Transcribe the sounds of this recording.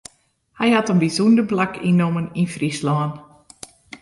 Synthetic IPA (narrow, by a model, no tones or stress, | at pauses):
hɛjhatənbizundəblakʰinːoməninfrislɔːn